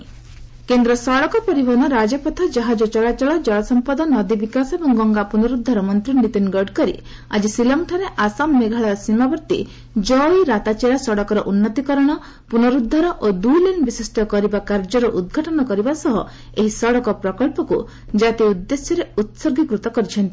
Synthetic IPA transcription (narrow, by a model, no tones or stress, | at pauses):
kend̪ɾɔsɔɽɔkɔpɔɾibʱɔnɔɾad͡ʒɔpɔt̪ʰad͡ʒaɦad͡ʒɔt͡ʃɔɭat͡ʃɔɭɔd͡ʒɔɭɔsɔmpad̪ɔnɔd̪ibikasɔebɔŋɡɔŋɡapunɔɾud̪ʱːɔɾɔmɔnt̪ɾinit̪inɡɔɾɖkɔɾḭ | a̰d͡ʒisilɔmʈʰaɾeʔasamːeɡʱaɭaɾsimabɔɾt̪ḭ | d͡ʒɔiɾat̪at͡ʃeɾasɔɽɔkɔɾɔʔunːɔt̪ikɔɾɔɽ̃ɔ | punɔɾud̪ʱːɔɾɔʔod̪ulenbisisʈʰɔkɔɾibakaɾd͡ʒɔɾɔʔud̪̚ɡʱaʈɔnɔkɔɾibasɔɦɔ | eɦisɔɽɔkɔpɾɔkɔɭpɔku | d͡ʒat̪iud̪ːesjɔɾeut̪soɡʱikɾut̪ɔkɔɾit͡ʃʰɔnt̪i